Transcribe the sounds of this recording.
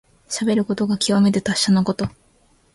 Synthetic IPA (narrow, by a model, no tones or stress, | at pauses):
ɕabe̞ɾɯ̟ko̞t̪o̞ɡakʲiβame̞t̪et̪aɕːanoko̞t̪o̞